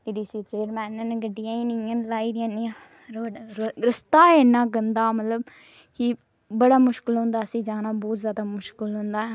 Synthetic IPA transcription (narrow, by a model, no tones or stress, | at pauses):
eɖiːsiːt͡ʃeːɾmɛ̃ːnənɡəɖːijãːiːnĩãːnlaːiːd̪ɪjãːniːã | ɾəst̪aːenãːɡənd̪aːmət̪ləb | kɪ | bəɽaːmʊʃkəlɦʊ̃ːnd̪aːsĩːd͡ʒãːnaːbɔːt̪zjaːd̪aːmʊʃkəlɦʊ̃nd̪aːɦɛː